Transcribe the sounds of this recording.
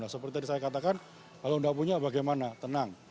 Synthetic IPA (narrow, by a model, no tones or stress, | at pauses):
asəpərt̪iadisajakat̪akan | kaloundahpuɲabaɡajmanat̪ənaŋ